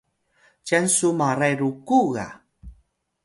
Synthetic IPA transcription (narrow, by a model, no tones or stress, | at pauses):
cansumaɾajɾukuɣa̰